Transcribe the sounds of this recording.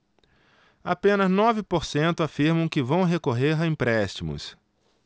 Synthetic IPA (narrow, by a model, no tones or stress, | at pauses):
apẽnɐznɔvɪpoɾsẽnt̪ʊafiɾmɐ̃w̃kɪvɐ̃w̃ɦekoɦeɾaĩpɾɛʃt͡ʃimʊ̰s